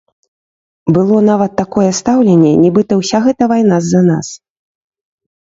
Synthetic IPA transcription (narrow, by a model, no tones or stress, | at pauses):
bɨlˠɔnavɐt̪ːakɔjɛst̪awlʲenʲːɛnʲɛbɨt̪ɐwsʲaɣɛt̪ɐvajnazːɐnas